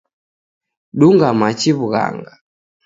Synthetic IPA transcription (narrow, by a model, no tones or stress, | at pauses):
ɗuŋɡamat͡ʃiβuɣa̰ŋɡa